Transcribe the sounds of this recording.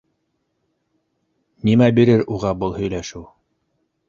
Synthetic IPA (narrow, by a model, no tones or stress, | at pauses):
nimæbiɾɘɾuʁɑbɤlˠhɵ̆jlæʃɘw